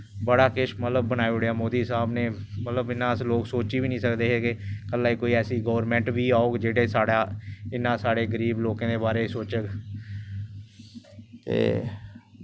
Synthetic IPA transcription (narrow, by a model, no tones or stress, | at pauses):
bəɽaːkɪʃmət̪ləbːənaːeʊɽejaːmoːd̪iːsaːbneː | mət̪ləbɪnːãːəsloːksoːt͡ʃiːʋiːnĩːsəkd̪eːɦeːɡekəlːaːiːkoːiːɛːsiːɡoːʋɾmɛ̃ːɳʈʋiːaːoːɡd͡ʒeːɽeːsaːɽaːɪnːãːsaːɽeːɡəɾiːbloːkãːd̪eːbaːɾeːisoːt͡ʃəɡ | t̪ḛː